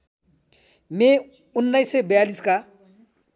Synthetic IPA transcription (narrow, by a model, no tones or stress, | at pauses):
me | unːajsebɐjaliska